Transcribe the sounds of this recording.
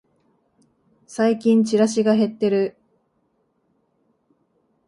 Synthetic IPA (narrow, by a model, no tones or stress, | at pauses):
saikʲĩɲ̟t͡ɕiɾaɕiɡaɦe̞t̪ːe̞ɾɯ̟